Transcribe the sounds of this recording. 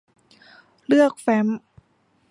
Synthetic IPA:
lɯ˥˩ək̚fɛ˧˦˥m

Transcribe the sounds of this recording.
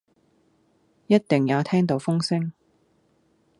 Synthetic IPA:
jɐ˥t̚t̪ɪ˨ŋjaː˨˧t̪ʰɛː˥ŋt̪o˨˧wfʊ˥ŋsɪ˥ŋ

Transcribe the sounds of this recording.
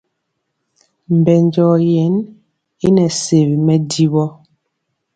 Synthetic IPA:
m̩˨bɛ˨nd͡ʒɔ˨jɛ˨˦n | e˦nɛ˨se˨βi˨mɛ˦di˦βɔ˦

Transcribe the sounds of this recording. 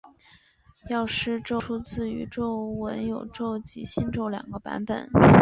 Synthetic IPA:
jɑ˥˧ʊʂɻ̩˥˧ʈ͡ʂo˥˧ʈ͡ʂʰu˥t͡sɹ̩˥˩y̰˧˥ʈ͡ʂo˥˩ʊwə˧˥njo˨˩ʊʈ͡ʂo˥˩ʊt͡ɕḭ˧˥ɕi˥˧nʈ͡ʂo˥˩ʊljɑ̰˨˩ŋɡə˦pa̰˧˥npə̰˨˩˦n

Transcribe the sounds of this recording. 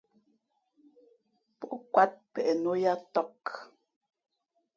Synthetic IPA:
pɔ˦kwa˦t̚pɛ˨ʔɛ˨no˦ja˦tɔ˦˨k

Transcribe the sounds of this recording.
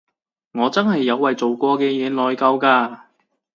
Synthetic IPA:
ŋɔː˨˧t͡sɐ˥nɦɐ˨jːɐ˨˧wːɐ˨jt͡so˨wkɔː˧kɛː˧jɛː˨˧lɔː˨˧jkɐ˧wkaː˧

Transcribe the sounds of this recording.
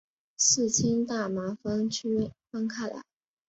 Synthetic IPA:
sɹ̩˥˩t͡ɕʰi˥ŋt̪a˥˩ma˧˥fɑ˥ŋt͡ɕʰy˥fa˥ŋkʰa˥˩la̰˧˩˥

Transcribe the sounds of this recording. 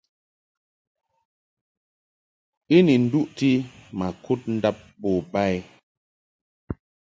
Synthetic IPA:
i˦ni˨n̩˨˦du˦ʔti˦ma˨ku˦t̚n̩˦da˦p̚bo˨ba˦˨j

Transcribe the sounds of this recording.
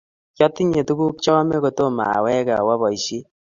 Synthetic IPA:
kjɔ˦ti˦ɲe˨tu˦ɡu˦k̚t͡ʃɔ˦me˦ko˨to˦ma̰˨wɛ˦ka̰˨wa˦βɔ˨i˨si˦

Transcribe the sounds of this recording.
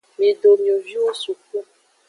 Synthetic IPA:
mĩ˨ɖo˨mĩ˨o˨vi˦wo˦su˨k̚u˦

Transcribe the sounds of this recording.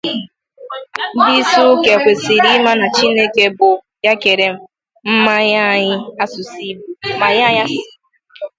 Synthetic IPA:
n̩˦di˦su˦ke˨kʷe˨si˨ɾi˦ma˦na˨t͡ʃi˦ne˦ke˦bʊ˨ | ja˦ke˨ɾe˨m̩˦ | m̩˦ma˦ɲa˦˨ɲɪ˦a˦sʊ˨si˦bu˨˦ma˨ɲa˦a˦ɲa˦˨

